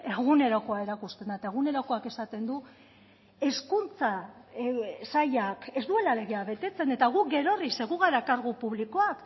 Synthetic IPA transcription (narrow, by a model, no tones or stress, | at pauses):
e̞ɣ̞une̞ɾoko̞ae̞ɾakust̪e̞nd̪at̪aeɣ̞une̞ɾoko̞ake̞sat̪e̞nd̪u | e̞skunt͡sa | saʎake̞zd̪ue̞lale̞ɣeaβe̞t̪e̞t͡se̞ne̞t̪aɣuk̚ɡe̞ɾo̞rise̞ɣuɣaɾakaɾɣupuβliko̞ak